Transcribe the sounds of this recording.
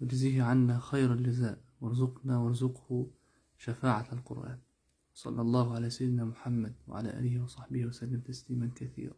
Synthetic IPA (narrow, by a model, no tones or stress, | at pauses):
wʊd͡ʒziːhʕanːaxajɾald͡ʒɪzaːʔwɪɾˤʊzʊqnawɑɾˤʊzʊqhʊ | ʃafaːʕalqʊ̰ɾʔa̰ːn | wɑsˤɑ̰lːɑlˤːɑːhʊʕalaːsajɪd̪ɪnaːmʊħamːad̪̚wɪ̰ʕa̰laːʔa̰ːlɪhɪwɑsˤɑħbɪhwasalːɪmt̪asliːmankaθḭːɾˤɑ̰ː